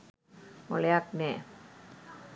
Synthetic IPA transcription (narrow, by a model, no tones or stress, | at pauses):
mo̰leak̚nɛ